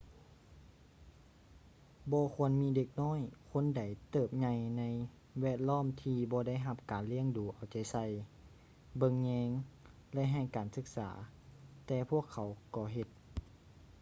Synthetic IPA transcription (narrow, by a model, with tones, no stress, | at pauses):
bɔː˧kʰu˧ənmiː˧˥de˧k̚nɔː˥˨jkʰo˧˥˨nda˨˩jt̪ɤː˧˩p̚ɲa˧jna˧˥j | wɛː˧˩t̪̚lɔː˥˨mt̪ʰiː˧bɔː˧˦da˥˨jɦa˧p̚kaː˨nli˧˥˨əŋduː˨˦ʔa˨˩wt͡ɕa˨˩jsa˧˩j | bɤ˧˨ŋɲɛː˧ŋ | lɛ˧˥ɦa˧˩jkaː˨˩nsɯ˧˩k̚sa̰ː˩˦t̪ɛː˧pʰu˥˩əkʰːa˨˩˦wkɔː˧˩ɦe˧t̪̚